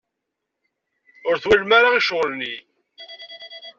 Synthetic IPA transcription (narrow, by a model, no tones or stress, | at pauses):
ʊɾθwælmaɾaiʃʁlni